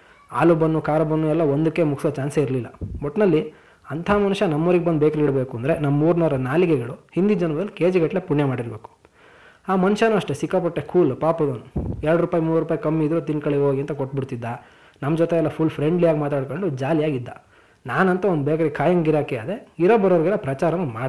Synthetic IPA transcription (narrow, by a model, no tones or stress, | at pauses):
a̰ːlubɐnːukaːɾɐbɐnːuɛlːɐond̪ukːe̞mukʰsʋɐt͡ʃaːnseiɾlilːɐ̰bɔʈnɐlːi | ɐnt̪ʰaːmɐnuʂɐnɐmːoːɾiɡebɐnd̪beːkɐɾeiɽbeːkuɐnd̪ɾe̞nɐmːɐːuːɾnɐɾɐnaːlikɛɡɐɭuhind̪id͡ʒɐnʋɐd̪ɐlːikeːd͡ʒɛɡɐʈle̞puɳjemaːɽiɾbe̞ːku̥ | aːmɐnuʃɐnuɐʂʈesikːɐp̬ɐʈːekʰuːlpaːpɐd̪onuɛɾɐɽɾuːpaːjimuːɾɾupaːjikɐmːiːd̪ɾut̪inkɐɭioːɡiɐnt̪ɐkoʈ̚ːbiɽt̪id̪ːa | nɐmd͡ʒɔt̪eɛlːɐpʰulpʰɾe̞ɳɖlijaːɡimaːt̪aːɽkoɳɖud͡ʒaːlijaːɡid̪ːɐ̰ | naːnɐnt̪ɐond̪beːkɐɾeɡkʰaːjɐŋɡɡiɾaːkɛaːd̪e̞iɾoːbɐɾoːɐɾɡɐlːɐpɾɐt͡ʃaːɾɐnumaːɽ